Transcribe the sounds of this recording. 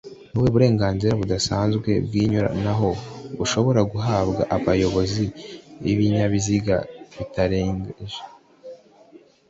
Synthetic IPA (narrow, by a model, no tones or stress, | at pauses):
nuweβuɾe̞ːŋɡaːnziɾaβudasaːnzɡwe̞bɡiːɲuɾa̰naɦo̞βuʃo̞βo̞ɾaɡuɦaːbɡaʔaβajo̞βo̞ziiβiɲaβiziɡa̰βitaɾe̞ːŋɡeʒe